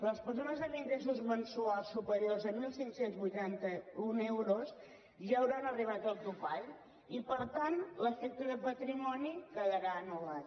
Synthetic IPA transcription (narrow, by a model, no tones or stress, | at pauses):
ləspəɾsonəzðəniŋɡɾes̬uzmənsualˠsːupəɾjorzəmilˠsiŋksenzβujt̪ant̪əunewɾos | ʒaːwɾanərriβat̪əlˠt̪upaʎ | ipəɾt̪anləfɛk̚t̪əðəpət̪ɾimɔnikəðəɾaənulat̪